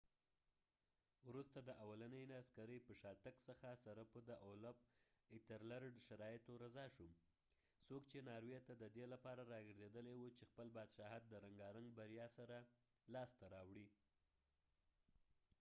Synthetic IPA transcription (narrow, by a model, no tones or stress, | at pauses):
wɾust̪ad̪əʔawalanəjnaskaɾəjpəʃɑt̪əksəxasaɾapod̪əʔolab̚ɪt̪aɾlaɾɖʃaɾɑjɪt̪oɾazɑʃum | sokt͡ʃenɑɾwet̪ad̪əd̪elapɑɾaɾɑɡəɾzed̪əlewut͡ʃexpəlbɑd̪ʃɑhat̪̚d̪əɾaŋɡɑɾaŋɡbaɾjɑsaɾalɑst̪aɾɑwɽi